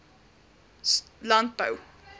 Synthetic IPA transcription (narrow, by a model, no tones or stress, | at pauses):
lɐnt̚bə̰w